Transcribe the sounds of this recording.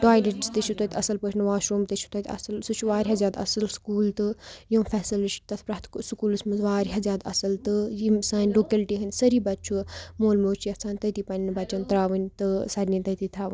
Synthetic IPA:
ʈaːjɖiʈit̪ɨt͡ʃʰut̪ɐt̪ʰʲɐsɐlpɨt͡ʃʰnɨʋaːʃɾoːmt̪ɐt͡ʃʰu̥t̪ɐt̪ʰʲɐ̰sɐlsut͡ʃʰuʋaːɾʲɦɐzʲjaːd̪ɐ̰sɐlskuːlt̪ɨjifʰɛːsɨlɨʃʈ̚t̪ɐt̪ʰpɾaɦt̪ʰksukuːlɨsmɨzʋaːɾʲɦɐzʲjaːd̪ɐ̰sɐlt̪ɨjimsaːnʲloːkɐlʈiːɦɐnʲsɐɾiːbɐtːt͡ʃʰumoːlmoːt͡ʃʰjɐt͡sʰaːnʲt̪ɐt̪ipɐnʲnɨbɐt͡ʃɐnt̪ɾaːʋɨnʲt̪ɨsɐɾʲnint̪ɐt̪it̪ʰɾaːʋɨ̰nʲ

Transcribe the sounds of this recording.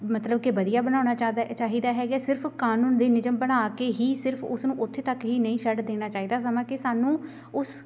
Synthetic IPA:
mət̪ləbkɪʋəd̪ijaːbənaːnaːt͡ʃaːɦiːd̪aːɦɛːɡjaːsɪɾpʰkaːnuːnd̪eːnɪd͡ʒəmbənaːkeːɦiːsɪɾpʰʊsnũːʔʊt̪ʰːeːt̪əkɦiːnəĩːʃəɖd̪eːñaːt͡ʃaːiːd̪aːs̬əmãːkɪsaːnũː | ʊs

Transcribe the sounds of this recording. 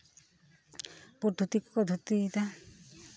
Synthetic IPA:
pod̪ʰʱut̪ikkɔd̪ʱut̪it̪a

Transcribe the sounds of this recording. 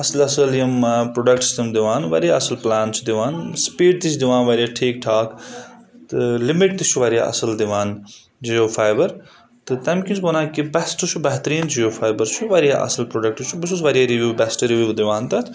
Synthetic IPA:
ɐslɐsɐljɐmpɾoːɖɐk̚ʈsi̥stɐmd̪iʋaːnʋɐ̰ɾjaːɐsɐlplaːnt͡ʃʰud̪iʋaːnspiːɖ̚t̪it͡ʃʰid̪iʋãːnʋɐɾʲijaːʈʰeːk̚ʈʰaːkt̪ɨlimiʈ̚t̪it͡ʃʰuʋɐɾʲija̰ːʔɐ̰sɐld̪iʋaːn | d͡ʒijoːfʰaːjbɐɾ | t̪ɨt̪ɐmkʲint͡ʃʰkonaːkibɐsʈ̪ut͡ʃʰubɐɦt̪ɾiːnt͡ʃʰijoːfʰaːjbɐɾt͡ʃʰuʋɐɾijaːʔɐ̰sɐlpɾoːɖɐk̚ʈt͡ʃʰubis̬usʋɐɾjaɾiʋʲjuːbɛsʈɾiʋjuːd̪iʋaːnt̪ɐt̪ʰ

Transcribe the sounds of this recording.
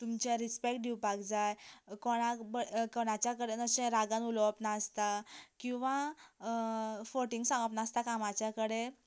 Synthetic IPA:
t̪umt͡ɕaɾispek̚ʈ̚ɖʱiwpaɡd͡zajkoɽ̃abəkoɽ̃ãt͡ɕjakəɽenəɕẽɾaɡãnuləʋəpnast̪akĩw̃ʋã | foʈiŋɡsãŋɡəpnast̪akamat͡ɕjakəɽe

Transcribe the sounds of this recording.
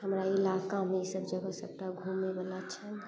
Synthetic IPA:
ɦəmɾaɪlaːkamẽsəbd͡ʒəɡasəb̚ʈaɡʱumebəlat͡ʃʰə

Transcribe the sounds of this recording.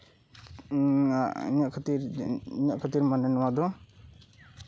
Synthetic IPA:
a̰ḭɲaʔkʰət̪iɾiɲaʔkʰət̪iɾmanɛnɔwad̪ɔ

